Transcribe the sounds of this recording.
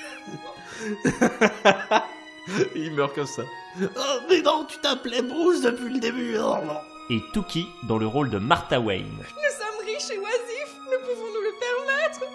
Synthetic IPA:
ilmœʁkɔmsa | ɔmɛd̪ɔ̃t̪y̥t̪aplɛbʁuzd̪əpɥiləd̪ebyɔʁlɔ̃ | et̪ukʲʰid̪ɑ̃ləʁold̪əmaʁt̪ãwɛ̰jn | nusɔmʁiʃewazifmɛpuvɔ̃nuləpɛʁmɛt̪χ

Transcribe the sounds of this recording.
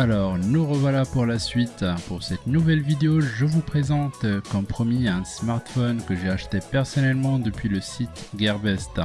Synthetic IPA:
alɔʁnuʁəvwalapuʁlasɥit̪puʁsɛt̪nuvɛlvid̪eoʒəvupχezɑ̃t̪kɔ̃pχɔmiɛ̃smaʁt̪fɔnkəʒeaʃt̪epɛʁsɔnɛlmɑ̃d̪əpɥiləsit̪ɡʲɛʁbɛst̪

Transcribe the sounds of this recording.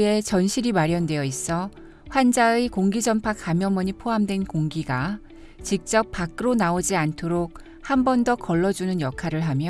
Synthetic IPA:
e̞t͡ɕʌnɕʰiɾimaɾjʌndwe̞jʌis͈ʌ | ɸwand͡ʑaekoŋɡid͡ʑʌmpʰakːamjʌmʌɲipʰoɦamdwe̞nkoŋɡiɡa | t͡ɕik̚t͡ɕ͈ʌp̚p͈ːak͈̚ɯɾonaod͡ʑiantʰoɾok̚ | hambʌndʌkʌɭːʌd͡ʑunɯnjʌkʰaɾɯɭɦamjʌ

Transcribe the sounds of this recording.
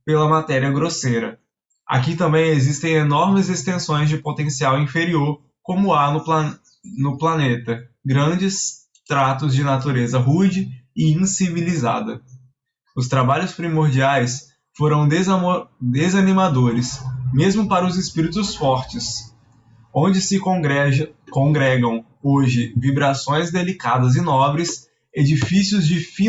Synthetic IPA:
pelɐmat̪ɛɾiɐɡɾoseɾɐ̰ | a̰kit̪ɐ̃mbẽj̃ezist̪ẽj̃enɔɾmɪzest̪ẽsõj̃zd͡ʒɪpot̪ẽsiawĩfeɾioɾ | kõmʊanʊp | nʊplanet̪ɐɡɾɐ̃d͡ʒɪs | t̪ɾat̪ʊzd͡ʒɪnat̪uɾezɐɦud͡ʒɪɪĩsiviliza̰d̪ɐ | ʊst̪ɾabaʎʊspɾimoɾd͡ʒiajs | foɾɐ̃w̪̃ | d̪ezɐnĩmad̪oɾɪsmezmʊpaɾɐʊzɪspiɾit̪ʊsfɔɾt͡ʃɪs | õd͡ʒɪsɪɛkõɡɾɛɡɐ̃w̃ | oʒɪvibɾasõj̃zd̪elikad̪ɐzɪnɔbɾɪs | ed͡ʒifisiʊzd͡ʒɪfi

